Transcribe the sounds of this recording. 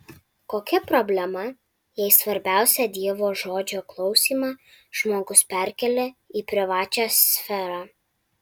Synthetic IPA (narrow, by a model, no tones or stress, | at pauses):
koːkʲɛpɾɔbʲlʲɛmɐ | jɛɪsʋɐɾʲbʲæˑʊsʲɛd̪ʲiɛʋoːʒoːd͡ʒʲoːklˠɒʊsʲiːmɑː | ʒ̥moːɡʊspʲæɾʲkʲɛlʲeiːpʲɾʲɪʋɑːt͡ʃʲæsʲfʲɛɾɑː